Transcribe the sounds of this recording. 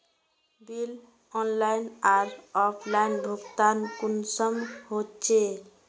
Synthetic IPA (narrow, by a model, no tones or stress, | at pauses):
bil | ɔnlajnaɾɔpʰlainbʱuɡt̪ankunsʌmɦott͡ʃʰe